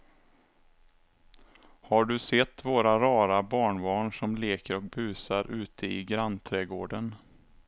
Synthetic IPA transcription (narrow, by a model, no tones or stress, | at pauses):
haɖɵsɛt̪ːvoːɾaɾɑːɾabɑːɳbɑːɳʂɔmleːkəɾɔk̚bʉ̟ːsaɾʔʉ̟ːt̪ʰəɪɡɾant̪ʰɾɛɡoːɖən